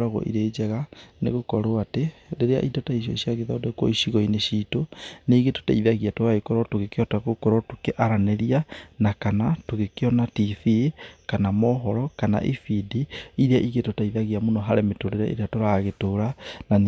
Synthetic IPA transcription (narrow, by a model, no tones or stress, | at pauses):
ɾaɣɔ̰ʔḭɾeːd͡ʒaɣanḛɣokɔɾoatedeɾea̰ʔidɔtaiʃ̬jɔ̰ʃiaɣeðaodokwɔ̰iʃiɣɔineʃiːtoneːɣeto̥taiðaɣiatoɾaikɔɾɔtoɣekeɔtaɣokɔɾɔtokeʔaɾaneɾianakanatoɣekeɔnatiθikanamɔɦɔɾɔkana̰ʔifidiiɾeaʔiɣetotaiðaɣiamonɔɦaɾemetoɾeɾa̰ʔḛɾeatoɾaɣetoɾanan